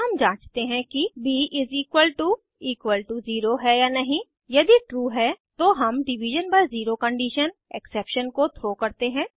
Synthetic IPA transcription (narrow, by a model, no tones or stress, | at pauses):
ɦɐmd͡ʒãːt͡ʃt̪eɦɛ̃kibiːɪziːkwəlʈu | iːkʋəlʈuziːɾoɦɛjaːnɐɦĩ | jɐd̪iʈɾuːɦɛt̪oːɦɐmɖɪʋɪʒənpɐɾziːɾokɐ̃ɳɖiːʃəneːksɛːpʃənkot̪ʰɾoːkɐɾt̪eɦɛ̃ː